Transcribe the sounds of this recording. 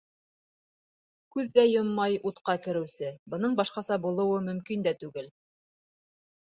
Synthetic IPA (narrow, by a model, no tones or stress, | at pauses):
kʉðːæjomːɑjut̪qɑkɘ̆ɾɘ̆wsɘbɤ̆nɤɴbɑʃqɑsɑbulˠɤ̆wɤmɵ̆mkind̪æt̪ʉɡɘl